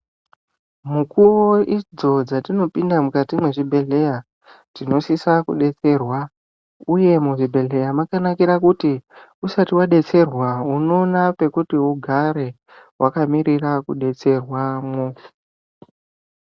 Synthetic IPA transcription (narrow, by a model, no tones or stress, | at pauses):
mukuwoid͡zo̞d͡zatino̞pindamukatimweʐibʱe̞ɮe̞ja | tino̞sisakuɗe̞t͡se̞rwa | uje̞muʐibʱe̞ɮe̞jamakanakiɾakuti | usatiwaɗe̞t͡se̞rwauno̞nape̞kutiuɡʱaɾe̞ | wakamiɾirakuɗe̞t͡se̞rwamo